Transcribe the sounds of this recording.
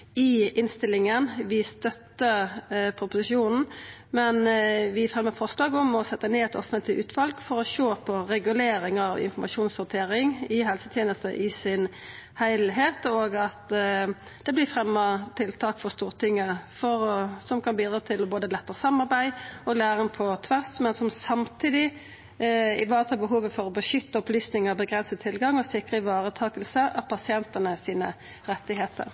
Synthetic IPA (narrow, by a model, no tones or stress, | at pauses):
ɪɪnst̪ɪlːɪŋənʋɪst̪œt̪ːəpʰɾʊpʊsɪʃuːnn̩mɛnʋɪfʁɛmːəfɔʁslɑːɡɔmɔsɛt̪ːəneːɛt̪ɔ̰fənt̪ɪʔʉːt̪ʰʋɑlɡfɔɾɔʃoːpʰɔɾɛɡʉleːɾɪŋɑʋɪ̰nfɔmɑʃuːnsɔt̪ʰeːɾɪŋɪɦɛlsət̪ʰjeːnəst̪ə̰ʔɪsɪnhæɪlɦeːt̪oːɡɑt̪ | d̪̥ɛblɪfʁɛmːət̪ʰɪlt̪ʰɑːkfɔʁst̪uːʁt̪ʰɪŋːəfɔɾsɔmkʰɑnbiːd̪ɾɑːt̪ʰɪlɔboːd̪əlɛt̪ːəʁəsɑmːɑʁbæɪɔlæːʁənpʰɔt̪ʰʋæʁsmɛnsɔmsɑmt̪ʰiːd̪ɪ | ɪʋɑːʁət̪ʰɑːbəɦuːʋəfɔʁɔbəʃʏt̪ːəɔplyːsnɪŋəbəɡʁɛnsət̪ʰɪlɡɑŋːɔsɪkʁəɪʋɑːʁət̪ʰɑːkəlsəʔɑt̪̚pʰɑsɪɛnt̪ənəsiːnə̰ | ɾɛt̪ːɪɦeːt̪ə̰ɾ